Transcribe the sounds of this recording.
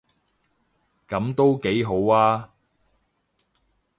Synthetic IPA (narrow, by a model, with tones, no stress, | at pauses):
kɐ˨˥mt̪o˥wke˨˥jɦo˨˥waː˥